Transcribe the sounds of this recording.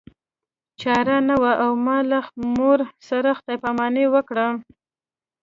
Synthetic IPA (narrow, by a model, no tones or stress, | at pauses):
t͡ʃɑɾanawaʔawmɑlaxmoɾsaɾəxt̪ajpamɑnewəkɽa